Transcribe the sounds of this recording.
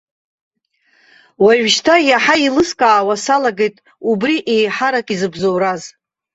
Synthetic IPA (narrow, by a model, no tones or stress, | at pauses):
waʒʷᶣʃtʰajaħailɨskʼaːwasalaɡe̞jtʼ | ubriʔejħaɾakʼizɨbzowɾaz